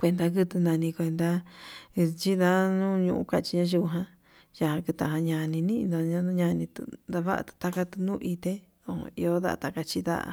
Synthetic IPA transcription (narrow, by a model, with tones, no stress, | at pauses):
kʷe˧nd̪a˧kɨ˦t̪u˧nã˧nĩ˧kʷe˧nd̪a˧ | t͡ʃi˦ða˦nũ˦ɲṵ̃˧ʔṵ̃˧˦ka˧˨˧t͡ʃi˧ɲã˦ʒi˧u˧ɦã˧ | ja˧hã˧kɨ˧t̪ã˧˨ã˧ɲã˧nĩ˧nĩ˦˧a˧ɲã˦nũ˦ɲã˧nĩ˧t̪ṵ˧nd̪a˧βa˦ʔa̰˧t̪u̥˧t̪a˦ka˧t̪u˧nũ˦ʔi˧t̪e˦ | õ̰˨˧ḭ˧o˧˦ða̰˦ʔa̰˧t̪a˧ka˧t͡ʃi˦d̪a̰˦˨ʔa̰˧